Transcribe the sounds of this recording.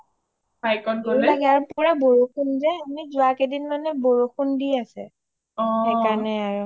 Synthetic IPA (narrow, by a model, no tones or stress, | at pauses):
bajkɔnɡolaɡɛaɹupuɹɛboɹukunzɛamizʊakedinmanɛboɹuxundiasɛ̰ | ɔhekaɹɔnɛaɹu